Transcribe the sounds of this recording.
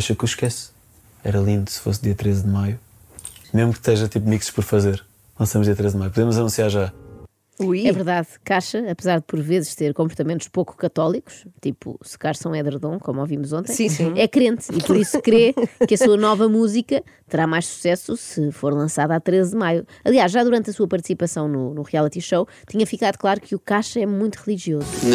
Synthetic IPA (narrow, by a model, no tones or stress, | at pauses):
aʃɐkuʃkɛs | ɛ̰ɾɐlˠĩnd̪usɨ̥fo̰sd̪iɐt̪ɾezd̪ɨmaju | meʒmukt̪ɛʒɐt̪ipmiksʃpɔɾfɐzeɾ | lˠɐ̃sɐmʒd̪iɐt̪ɾezd̪majupuðemuzɐnũsjaɾʒa | uɛvɨɾðaðkaʃɐːpɨzaɾðɨpɔɾvezʃt̪eɾkõmpuɾt̪ɐmẽnt̪uʃpoku̥kɐt̪ɔlˠiku̥ʃt̪ipṵsɨ̥kaɾsɐ̃w̃ɛðɨɾðõkomovimuzõnt̪ɐ̃jĩsĩɛkɾẽnt̪ippɔɾisukɾekɐsuɐnɔvɐmuzikɐ | t̪ɨɾamajʃsu̥sɛsusɨfoɾlˠɐ̃saðat̪ɾezd̪ɨmajuɐlˠiaʃʒaðuɾɐ̃nt̪ɐsuɐpɐɾt̪sipɐsɐ̃w̃nunuʁialˠit̪iʃɐw | t̪iɲɐfikaðuklˠaɾukɨukaʃɐɛmũj̃t̪uʁɨlˠiʒiozu